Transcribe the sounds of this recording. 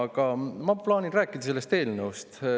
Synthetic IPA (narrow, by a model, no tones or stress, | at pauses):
ɡ̥ɑmɑplɑːniræːkːˑid̪ɑse̞lːe̞st̪e̞ːlnəust̪